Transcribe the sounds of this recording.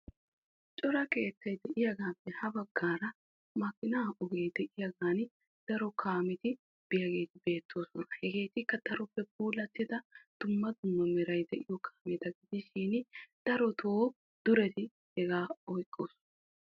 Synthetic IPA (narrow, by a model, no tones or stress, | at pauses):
t͡ʃʼɔɾɐke̞ːt̪ːɐjd̪ɛʔɪjɐɡaːpːɛhɐbɐɡːaːɾɐ | mɐkːɪnaːʔɔɡejd̪ɛʔɪjɐɡaːn | d̪̥ɐɾɔkʰaːmɪt̪ɪ | b̥ɪjɐɡe̞ːt̪ɪbe̞ːt̪ːo̞ːsɔnɐhɛɡe̞ːt̪ɪkːɐd̪̥ɐɾɔpːɛbuːlɐt̪ːɪd̪ɐd̪̥ʊmːɐd̪ʊmːɐmɛɾɐjd̪ɛʔɪjɔkʰaːmɛd̪ɐɡɪd̪ɪʃiːnd̪̥ɐɾɔt̪ʰoː | d̪̥ʊɾɛt̪ɪ | hɛɡaːɔjkʼːoːs